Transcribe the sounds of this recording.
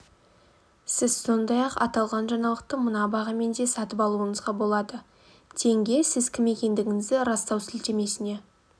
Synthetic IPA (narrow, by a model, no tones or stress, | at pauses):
sɪz̥so̞nd̪ɑjɑqɑ̰t̪ɑlˠʁɑnʒɑɴɑlˠəq̚t̪əmənɑbɑʁəme̞nd̪e̞sɑt̪əpɑlˠuəɴəzʁɑbo̞lˠɑd̪ə | t̪ʰe̞ŋɡʲe̞sɪzkʲʰɪme̞kʲe̞nd̪ɪɡʲɪŋɪzd̪ɪɾɑst̪ɑwsɪlt̪e̞me̞sɪne̞